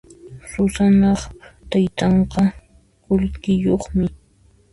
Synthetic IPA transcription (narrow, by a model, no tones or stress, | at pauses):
sʊsanɑχt̪ajt̪ɑɴqɑ | kʊlkɪjoχmɪ